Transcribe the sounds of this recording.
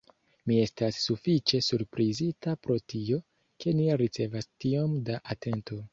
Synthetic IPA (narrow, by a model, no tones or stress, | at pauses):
mie̞stasːufit͡ʃe̞suɾpɾizitapɾo̞tio̞ | ke̞niɾit͡se̞vastiomdaʔate̞nto̞